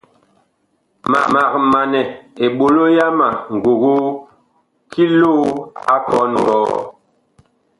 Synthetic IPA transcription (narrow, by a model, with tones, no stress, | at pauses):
ma̰˨ma˨k̚ma˨nɛ˨e˨ɓo˨lo˦ja˦ma˨ŋ̩˨ɡo˨ɣo˦ | kʰi˦lo˦a˦kɔ˦nŋ˨ɡɔː˦